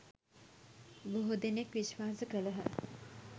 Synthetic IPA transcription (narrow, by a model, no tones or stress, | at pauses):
boɦud̪enekʋiʃʋaːsəkələɦə̰